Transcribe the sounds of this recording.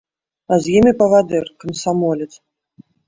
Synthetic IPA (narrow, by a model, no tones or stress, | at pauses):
azjimʲɪpɐvad̪ɨrkɐmsamɔlʲɛt̪s